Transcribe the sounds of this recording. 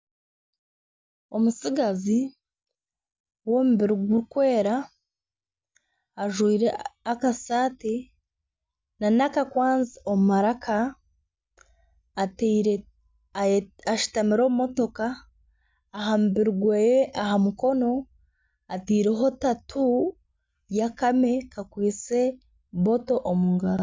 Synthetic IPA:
o̞musiɡazi | wo̞ːmuβiɾuɡuɾukwe̞ːɾa | ʒwiːɾeakasaːti | nanakakwaːnzio̞mumaɾakʰa | tːɾe | aʃi̥tamiɾo̞ːmumo̞to̞kaː | ɦambiɾuɡwejeʔaɦamuko̞no̞ | atiːɾeɦo̞tatʰu | jakame̞kakwiːt͡se̞ | βo̞to̞ʔomuŋɡaɾa

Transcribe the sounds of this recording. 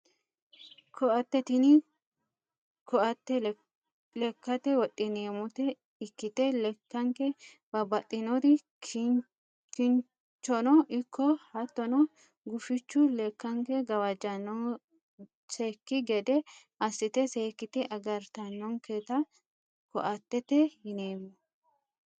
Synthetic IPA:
kʰɔʔɐt̪ːɛt̪ɪnɪ | kɔʔɐt̪ːɛ | lɛkːɐt̪ɛwɔt̪ʼːɪneːmʊt̪ɛ | ɪkːɪt̪ɛlɛkːɐŋkɛ | bɐbɐt̪ʼːɪnɔd̪ɪ | kɪn | t͡ʃːɔnɔʔɪkːɔhɐt̪ːɔnɔ | ɡʊfɪt͡ʃːʊlɛkːɐŋkɛɡɐwad͡ʒɐnɔ | seːkːɪɡɛd̪ɛʔɐsːɪt̪ɛseːkːɪt̪ɛʔɐɡɐɾt̪ɐnːɔŋkeːt̪ɐ | kɔ̰ʔɐt̪ːɛt̪ɛhɪneːmʊ

